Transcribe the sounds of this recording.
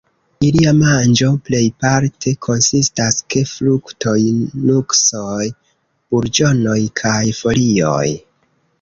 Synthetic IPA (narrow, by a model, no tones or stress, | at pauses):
iliamand͡ʒo̞ple̞jpaɾtʰe̞kʰo̞nsistaske̞fluktʰojnuksoj | b̥uɾd͡ʒo̞no̞jkʰajfo̞lio̞̰j